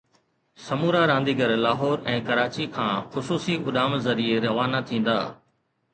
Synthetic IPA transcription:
sɐmuːɾaɾãːnd̪iɡəɾlaːɦɔːɾɛ̃ːkɐɾaːt͡ɕikʰãːxʊsuːsiʔʊɗaːmzɐɾieɾɐʋaːnat̪ʰĩːn̆d̪a̰ː

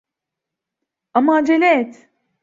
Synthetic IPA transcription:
amad͡ʒelʲɛt̪

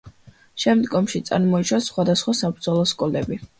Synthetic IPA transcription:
ʃɛmd̪ɡɔmʃit̪sʼa̰ɾmɔiʃwasχwad̪asχwasabɾd̪zɔlˠɔskʼɔlɛbi

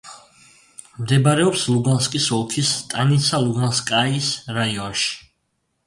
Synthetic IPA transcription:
md̪ɛbaɾɛɔpslˠuɡanskʼisɔlˠk̪ʰist̪ʼanisalˠuɡanskʼaisɾaiɔnʃi̥

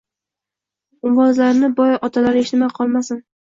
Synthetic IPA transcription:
ʊmwɒzlaɾnɪbɒjɒt̪ʰalaɾɪʃnɪmaqʰɒlˠmasɪn

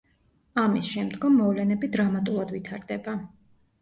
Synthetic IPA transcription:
amisʃɛmd̪ɡɔmːɔvlɛnɛbid̪ɾamat̪ʼulˠad̪vit̪ʰaɾd̪ɛba

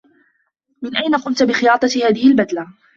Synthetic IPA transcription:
mɪnʔajnaqʊnt̪bɪxɪjɑːt̪ˤɑhaːðɪhɪlbad̪la

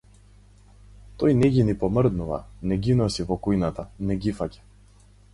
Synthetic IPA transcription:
t̪ɔjnɛɟʲinipɔmrd̪nuva̰nɛɡinɔsivɔkujnat̪anɛɡifacʲḁ

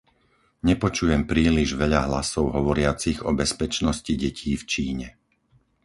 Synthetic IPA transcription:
ɲɛpɔt͡ʃujɛmpɾiːliʒʋɛʎaɦlasɔʊɦɔʋɔɾɪat͡siɣɔbɛspɛt͡ʃnɔsciɟɛcʰiːft͡ʃiːɲɛ

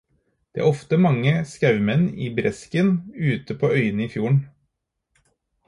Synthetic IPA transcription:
d̪̥ɛːʔæ̰ɾɔft̪əmɑŋːəskɑʉmɛnːḭːbɾɛskənʉːt̪əpʰoːœʏənəiːfjuːɳ̩

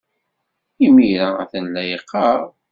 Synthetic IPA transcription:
imiɾææ̰θənlæjqːɑʁ

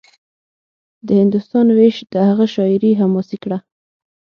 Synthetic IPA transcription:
d̪əhɪnd̪ʊst̪ɑnweʃd̪̥əhaɣaʃɑɪɾiɦamɑsikɽa

